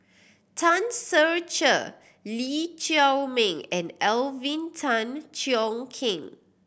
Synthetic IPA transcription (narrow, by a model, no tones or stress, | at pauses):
tʰãnsəɹt͡ʃə̰ | lit͡ʃawmɛ̃ŋɛ̃nɛlvĩntʰãnt͡ʃiɔ̃ŋkʰĩŋ